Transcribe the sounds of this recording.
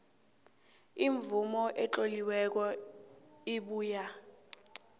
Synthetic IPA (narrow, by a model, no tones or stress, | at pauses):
iɱvumɔʔɛt͡ɬoliwɛk̬ɔ | iɓuːja